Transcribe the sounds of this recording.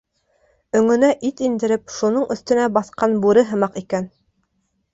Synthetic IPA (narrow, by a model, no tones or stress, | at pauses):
ɵ̆ŋɵ̆næʔit̪ind̪ɘ̆ɾɘpʃunoɴɵ̆θt̪ɵ̆næbɑθqɑnbuɾɤɦɤ̆mɑqikæn